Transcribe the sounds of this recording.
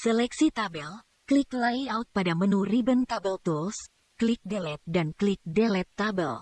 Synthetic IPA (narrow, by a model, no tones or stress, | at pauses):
səlɛksit̪abɛl | kliklajaut̪̚padamənuribənt̪abɛlt̪uls | klik̚dɛlɛt̪̚danklik̚dɛlɛt̪ːabə̰l